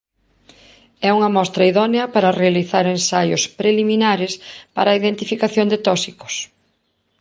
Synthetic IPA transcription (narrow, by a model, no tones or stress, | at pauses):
ɛuŋɐmɔst̪ɾɐiðɔneɐpaɾɐrealiθaɾensajʊ̰spɾeliminaɾespa̰ɾɐiðent̪ifikaθjond̪ɪt̪ɔsikʊ̥s